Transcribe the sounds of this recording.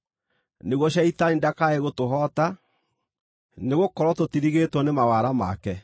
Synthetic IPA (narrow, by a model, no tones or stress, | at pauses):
neɣwɔɕ̬aitaindakaeɣotoɦɔta | neɣokɔɾwɔtotiɾiɣetwɔnemawaɾama̰kɛ